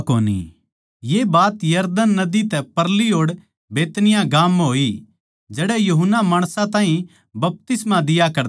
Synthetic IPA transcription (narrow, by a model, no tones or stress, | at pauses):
koːnḭ | jebaːt̪jɐɾd̪ənːɐd̪it̪ɛpɐɾliɦoːɽ | beːt̪nɪjãɡaːmɦoːi | d͡ʒɛːɽɛjuɦənːamaːɽ̃sãt̪ãːɦĩ | bɐp̚t̪ɪsmad̪ɪjakɐɾ